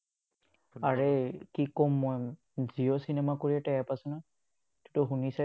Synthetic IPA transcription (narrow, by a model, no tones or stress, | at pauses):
aɹekikɔmːɔj | ziɔsinɛmakoɹiɛtɛjɛpasʊna | tu̥tʊxunisɛ